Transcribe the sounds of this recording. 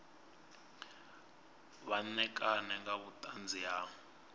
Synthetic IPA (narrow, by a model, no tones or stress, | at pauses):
βanɛkʼanɛŋɡaβutʼand͡zʱija